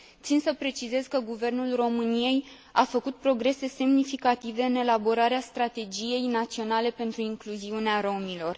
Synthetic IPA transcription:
t̪sinsəpɾe̞t͡ʃize̞zkəɡuve̞rnulro̞mɨnije̞j | afəkut̪̚pɾo̞ɡɾe̞se̞se̞mnifikat̪ive̞ɨne̞labo̞ɾaɾeast̪ɾat̪e̞d͡ʒije̞jnat̪sio̞nale̞pe̞nt̪ɾuiŋkluziuneaɾo̞milo̞r

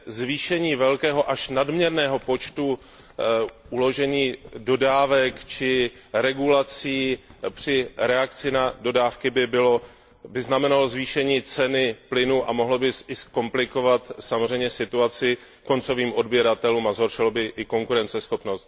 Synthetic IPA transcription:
zviːʃɛɲiːvɛlkɛːɦo̞ʔaʃnadmɲɛɾnɛːɦo̞po̞t͡ʃt̪u | ʔulo̞ʒɛɲiːdo̞daːvɛkt͡ʃɪɾɛɡulat͡siːpr̝̥ɪɾɛakt͡sɪnado̞daːfkɪbɪbɪlo | bɪznamɛnalozviːʃɛɲiːt͡sɛnɪplɪnuʔamo̞ɦlobɪsɪsko̞mplɪko̞vat̪samozr̝ɛjmɲɛsɪt̪uat͡sɪ | ko̞nt͡so̞viːmo̞dbjiɾat̪ɛluːmazɦo̞rʃɪlobɪʔɪko̞ŋkuɾɛnt͡sɛsxo̞pno̞st̪

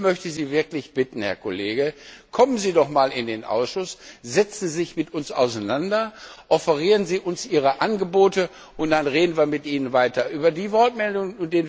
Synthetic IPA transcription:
mœçtəziːvɪɐklɪçb̥ɪtn̩hɛ̰ɐkʰoleːɡəkʰɔmənziːdɔχmaːlɪndeːnʔa̰ʊsʃʊsz̥ɛt͡sn̩zɪçmɪtʊnsa̰ʊsaɪnandɐʔɔfəʁiːʁ̞ənziːʔʊnsʔiːʁəʔanɡəboːtə | ʔʊnt̚d̥anʁeːdn̩viːɐmɪtʔiːnənvaɪtɐʔyːbɐdiːvɔɐtmɛldʊŋənʊnt̚d̥eːn

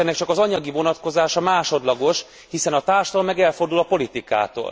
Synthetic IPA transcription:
ɛnːɛkt͡ʃɒkɒzɒɲɒɡivo̞nɒt̪ko̞zaːʃɒmaːʃo̞d̪lɒɡo̞ʃ | hisɛnɒt̪aːrʃt̪olmɛɡɛlfo̞rd̪ulɒpo̞lit̪ika̰ːt̪o̰ːl

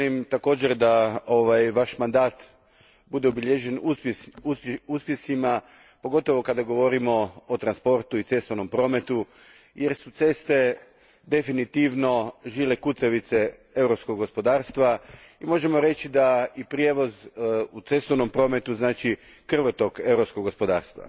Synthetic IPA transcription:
imt̪ako̞ːd͡ʑeɾd̪aoʋajʋaʃmand̪aːt̪ | bud̪e̞obiʎeʒenuuuspjesima | po̞ɡo̞t̪o̞ʋo̞kad̪aɡo̞ʋo̞ɾimo̞ot̪ɾanspo̞ɾt̪uit̪se̞st̪ono̞mpɾo̞ːme̞t̪u | jeɾsut̪se̞st̪e̞ | d̪e̞finit̪iʋno̞ʒiːle̞kut̪seʋit̪see̞wɾo̞pskoɡɡospo̞d̪aːɾst̪ʋaimo̞ʒe̞mo̞ɾe̞t͡ɕid̪aipɾjeʋo̞zut̪se̞st̪oʋno̞mpɾo̞ːme̞t̪uznaːt͡ʃikr̩ʋot̪oke̞wɾopskoɡo̞spo̞d̪a̰ːɾst̪ʋa̰

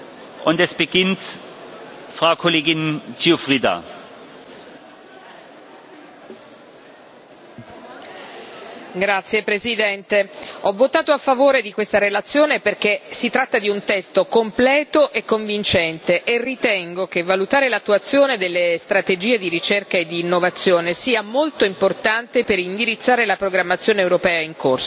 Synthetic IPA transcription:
ʔʊntɛsb̥əɡɪnt | fʁaʊkʰoleːɡɪnt͡siofʁiːda̰ | ɡɾat̪sːjepɾezid̪ɛnt̪eɔvːot̪aːt̪oafːavoːɾed̪ikwest̪aɾelat̪sːjoːneperk̟esit̪ɾat̪ːad̪iunt̪ɛst̪okomplɛːt̪oʔekːoɱvint͡ʃɛnt̪eʔerːit̪ɛŋɡok̟evːalut̪aːɾelat̪ːuat̪sːjoːned̪elːest̪ɾat̪ed͡ʒiːed̪iɾit͡ʃerkaed̪ːiːnːovat̪sːjoːnesiːamolt̪oimport̪ant̪epeɾind̪iɾit̪sːaːɾelapɾoɡɾamːat̪sːjoːneewɾopɛːaiŋkorso

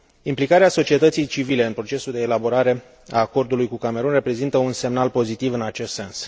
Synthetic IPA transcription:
implikaɾeaso̞t͡ʃie̞t̪ət̪sijt͡ʃivile̞ɨnpɾo̞t͡ʃe̞suld̪e̞ːlabo̞ɾaɾe̞ | a̰ːko̞rd̪ulujkukame̞ɾunre̞pɾe̞zint̪əunse̞mnalpo̞zit̪ivɨnat͡ʃe̞st̪se̞ns

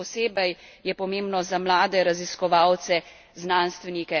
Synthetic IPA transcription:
ɔseːbəjjɛpɔmeːmbnɔzamlaːd̪ɛɾaziskɔʋawt̪sɛ | znanst̪ʋɛnikɛ

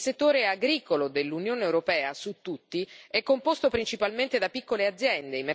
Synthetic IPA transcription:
set̪ːoːɾeaɡɾiːkolod̪elːunjoːneewɾopɛːasut̪ːut̪ːiɛkːompost̪opɾint͡ʃipalment̪ed̪apikːolead̪zːjɛnd̪eimːe

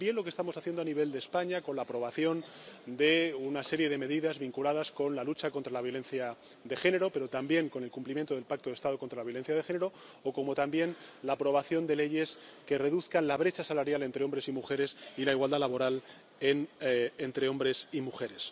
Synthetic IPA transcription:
bje̞nlo̞k̬est̪amo̞saθje̞nd̪oaniβ̞e̞ld̪espaɲako̞nlaːpɾo̞β̞aθjo̞n | d̪e̞unase̞ɾje̞ðe̞me̞ðiðazβiŋkulaðasko̞nlalut͡ʃako̞nt̪ɾalaβjo̞le̞nθja | ðe̞xe̞ne̞ɾo̞pe̞ɾo̞t̪ambje̞ŋko̞ne̞lkumplimjent̪o̞ðelpak̚t̪oest̪að̞o̞kont̪ɾalaβjo̞le̞n̟θjaðe̞xe̞neɾo | oko̞mo̞t̪ambje̞nlaːpɾo̞β̞aθjo̞nd̪e̞le̞ʝe̞ske̞re̞ðuθkanlaβ̞ɾe̞t͡ʃasalaɾjale̞nt̪ɾeo̞mbɾe̞simuxe̞ɾe̞silaiɣwald̪alaβo̞ɾal | enent̪ɾe̞o̞mbɾe̞simuxe̞ɾe̞s

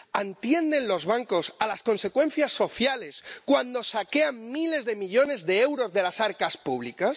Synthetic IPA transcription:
ant̪je̞nd̪e̞nlo̞zβaŋko̞salasko̞nse̞kwe̞nθjasːo̞θjale̞skwand̪o̞sake̞ammile̞zðe̞miʎo̞ne̞zðe̞ewɾo̞zðe̞lasaɾkaspuβ̞likas

